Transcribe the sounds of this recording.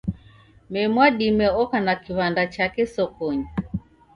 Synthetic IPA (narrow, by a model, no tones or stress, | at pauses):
mɛmwaɗimɛɔkanakiβandat͡ʃakɛsɔkɔɲi